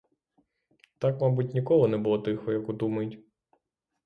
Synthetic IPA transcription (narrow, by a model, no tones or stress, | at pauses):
t̪ɑkmabutʲnʲikɔɦɔnɛbʊlˠɔt̪ɪxɔjɐkud̪umɐjʊtʲ